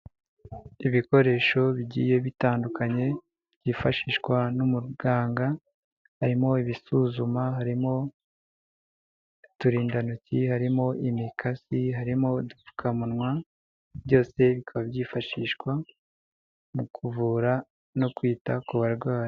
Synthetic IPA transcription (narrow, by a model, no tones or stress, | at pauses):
iβiko̞ɾe̞ːʃo̞βiɟḭje̞βitaːndukʰaɲe̞ | bɟiːfaʃiːʃkwanumuɾɡaːŋɡa | haɾimo̞iβisuzumaɦaɾimo̞ | tuɾiːndanucihaɾimo̞ʔimikʰasiɦaɾimo̞dufu̥kʰamunŋwa | bɟo̞ːse̞βikʰaβabjiːfaʃiːʃkwa | mukʰuvuːɾa | no̞kwiːtakuβaɾɡwaːɾ